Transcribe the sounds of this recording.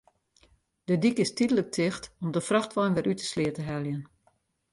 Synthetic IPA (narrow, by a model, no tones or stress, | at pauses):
dədikɪstidələk̚tʰɪxtɔmdəfraxtʋɔjnʋɛɾʔytə̥slɪətəɦɛlˠjən